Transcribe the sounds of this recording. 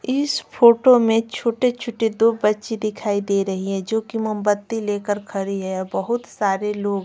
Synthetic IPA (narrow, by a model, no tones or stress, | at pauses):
ɪspʰoːʈomẽt͡ʃʰoːʈet͡ʃʰʊʈid̪ubɐtːʃid̪ɪkʰaːid̪eːɾɐɦiɦɛ̃d͡ʒoːkimɐmbət̪ːileːkəɾkʰɐɾiɦɛbɐɦʊt̪saːɾeloːɡ